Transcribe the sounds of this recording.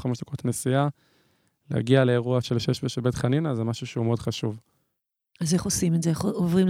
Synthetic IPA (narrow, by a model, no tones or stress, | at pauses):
χameʃd̪ako̞t̪nesia | lḛa̰ɡialeːʁuaʃelʃeʃbeʃebet̪χaninazemaʃuʃeumeod̪χaʃuv | aze̞χosimedzeeχovʁim